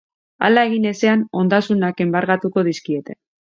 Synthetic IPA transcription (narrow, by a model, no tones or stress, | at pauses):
a̰laeɣine̞se̞ano̞nd̪asunake̞mbaɾɣat̪uko̞ð̞iskie̞t̪e̞